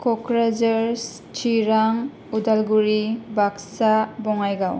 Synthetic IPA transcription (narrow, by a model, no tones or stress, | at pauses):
kʰɔkɾad͡ʒaɾs | t͡ʃʰiɾaŋ | udalɡuɾibaksabɔŋajɡaw